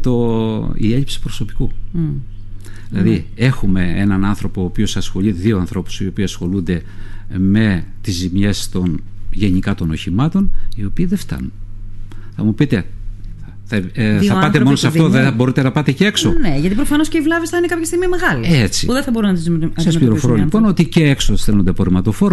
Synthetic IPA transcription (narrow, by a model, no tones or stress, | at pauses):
t̪oḭe̞ʎipsi̥pɾo̞so̞pi̥ku | ðilɐðie̞xume̞enɐnɐnθɾo̞poːpio̞sɐsxo̞ʎiðio̞ɐnθɾo̞pu̥sio̞piːɐsxo̞lund̪e̞me̞t̪izːimɲe̞st̪o̞nʝe̞nikɐt̪o̞no̞çimɐt̪o̞nio̞piːðe̞ft̪ɐ̰nun | θɐmupit̪e̞ | θɐθɐpɐt̪emo̞nosɐft̪oebo̞ɾit̪e̞nɐpɐt̪ecee̞ksoneʝɐt̪ipɾofɐno̞sceivlɐvisθɐinekɐpçɐst̪iɣmimeɣɐliet͡sipuðeθɐbo̞ɾunɐt̪izssɐsplʲiɾofoɾolipo̞no̞t̪iceeksosθelond̪epoɾimɐt̪o̞fo̞ɾo